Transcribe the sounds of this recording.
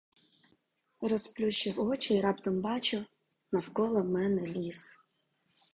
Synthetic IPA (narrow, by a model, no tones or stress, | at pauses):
ɾɔsplʲuʃɪwɔt͡ʃiiɾɑpt̪ɔmbɑt͡ʃʊ | nɐwkɔlˠɔmɛnɛlʲis